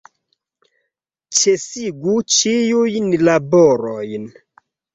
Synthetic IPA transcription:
t͡ʃesiɡut͡ʃijujnlaboɾojn

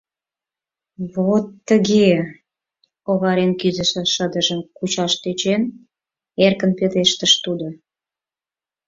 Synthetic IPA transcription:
βot̪ːəɣe | oβɑɾenkizə̆ʃĕʃəd̪əʒəmkut͡ɕɑʃt̪et͡ɕen | erkənpet̪eʃt̪əʃt̪ud̪o

